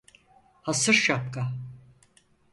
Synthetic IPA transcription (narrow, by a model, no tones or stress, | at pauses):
hasɯɾʃap̚ka